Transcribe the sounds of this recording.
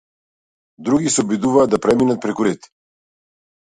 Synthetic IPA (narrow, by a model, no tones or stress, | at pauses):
d̪ɾuɡisɛɔbid̪uvaːd̪d̪apɾɛminat̪̚pɾɛkuɾɛt̪i̥